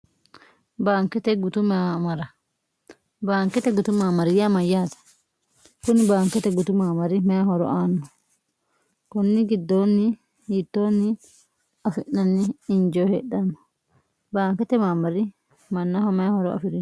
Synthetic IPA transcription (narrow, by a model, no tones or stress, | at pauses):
baːŋkːɛt̪ɛɡʊt̪ʊmamɐɾɐ | baːŋkːɛt̪ɛɡʊt̪ʊmaːmɐɾɪjɐmɐjːaːt̪ɐ̥ | kʊnɪbaːŋkːɛt̪ɛɡʊt̪ʊmaːmɐɾɪmɐjhɔɾɔ̰ʔaːnːɔ | kɔnːɪɡɪd̪ːoːnːɪ | jiːt̪ːoːnːɪ | ɐfɪʔnɐnːɪːnd͡ʒoːhɛɗamːɐ̥ | baːŋkːɛt̪ɛmaːmɐɾɪ | mɐnːɐhɔmɛjahɔɾɔɐ̰fɪɾɪn